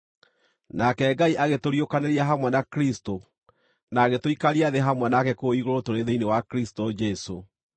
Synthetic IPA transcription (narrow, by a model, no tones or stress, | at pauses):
nakɛːɡaiʔaɣetoɾjokaneɾiaɦamwɛnakɾisto | naːɣetoikaɾiaðeɦamwɛnakɛkoiɣoɾotoɾeðeinewakɾistod͡ʒɛso